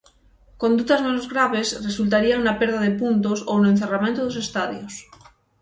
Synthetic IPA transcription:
kond̪uðazmenozɣɾaβ̞esresult̪̬aɾiaŋnapeɾðaðepunt̪osownoẽnθeramẽnt̪oðosest̪aðjos

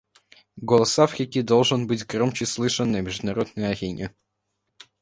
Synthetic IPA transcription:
ɡolˠəsafxʲɪkʲid̪olˠʐɨnbɨtʲɡɾomt͡ɕɪslˠɨʂɨnːəmʲɪʐd̪ʊnɐɾo̞d̪̚nəjɐɾʲenʲɪ

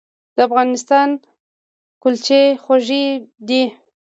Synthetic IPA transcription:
d̪̥əafɣɑnɪst̪ɑn | kʊlt͡ʃexaʒid̪i

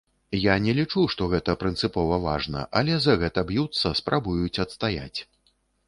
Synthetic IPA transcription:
janʲɛlʲit͡ʂuʂt̪ɔɣɛt̪ɐpɾɨnt̪sɨpɔvɐvaʐnɐ̰ʔɐlʲɛzɐɣɛt̪ɐbjut̪sːɐspɾʔabujut͡sʲɐt̪st̪aja̰t͡sʲ

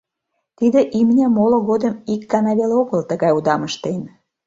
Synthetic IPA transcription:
t̪id̪ĕʔimnʲæmoloɣod̪əmikːɑnɑβeleoɣəlt̪əɣɑjud̪ɑməʃt̪en

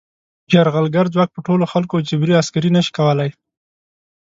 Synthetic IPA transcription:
d͡ʒaɾɣalɡaɾd͡zwak̚pəʈoloxalkod͡ʒɪbɾiaskaɾinəʃi̥kawəlaj

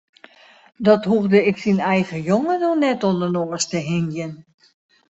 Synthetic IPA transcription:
dɔtɦuɣdəɪksinɛjɣəjoŋədonɛtɔlˠdənoːəstəɦɪnjən

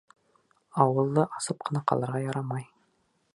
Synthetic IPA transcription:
ɑwɤlˠd̪ɑʔɑsɤp̚qʰɤ̆nɑqɑ̰lˠɤ̆ɾʁɑjɑɾɑmɑj

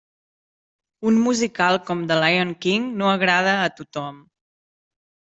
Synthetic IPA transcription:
unmuzikalˠkɔmd̪əlajoŋkiŋnoəɣɾað̞əːt̪ut̪ɔm

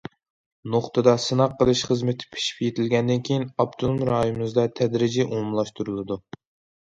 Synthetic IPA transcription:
noχt̪ʰɨd̪ɑsɨnɑqːəlˠɨʃχəzmɪt̪ʰɪ̥pʰe̥ʃi̥pʲjet̪ʰɪlɡʲɛnd̪ɪnkʲʰejinɑb̚t̪ʰulˠmɾɑːjimɨzd̪ɑt̪ʰɛd̪ɾɪd͡ʒɛʔumumlˠɑʃt̪ʰuɾulˠɨd̪u

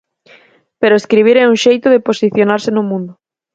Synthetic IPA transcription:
peɾoeskɾiβ̞iɾɛuŋʃejt̪ʊðeposiθjonaɾsɪnʊmũnd̪ʊ

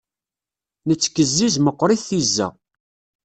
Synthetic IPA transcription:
nət͡sːkːəzːizməqːɾˤiθθizːæ̰

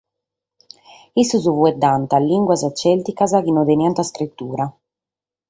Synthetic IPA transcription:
isuzuvuɛd̪ːant̪alːiŋɡwazat͡ʃːɛlt̪ikazakinɔd̪ɛnjant̪askɾit̪ːuːɾa

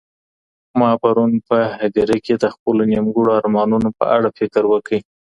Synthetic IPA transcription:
mɑpaɾunpəhad̪iɾeked̪əxpəlonimɡuɽoɑɾmɑnunopə̰ʔaɽafɪkɾwəkəj

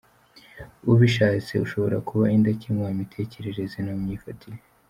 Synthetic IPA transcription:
uβiʃaːt͡se̞uʃo̞βo̞ɾakuβaindacimoamitʰe̞ːce̞ɾe̞ɾe̞zenamɲiːfatʰiɾe

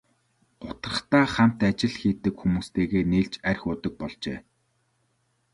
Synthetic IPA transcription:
ɢ̥ʊt̪rə̆χt̪aːχæm̥ʲt̪at͡ɕɪ̆ɮxiːt̪ɘ̆kxumuːst̪ʰeːɣeːneːɮt͡ɕærʲxʊːt̪ə̆k̚pɔɮt͡ɕeː

